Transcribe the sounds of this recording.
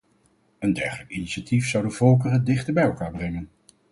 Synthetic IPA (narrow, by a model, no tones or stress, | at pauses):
əndɛ̰ɹχələkiniʃatifsɑwdənvɔlˠk̬ərəndɪχtəɹbɛjɛlˠkaːɹbrɛŋən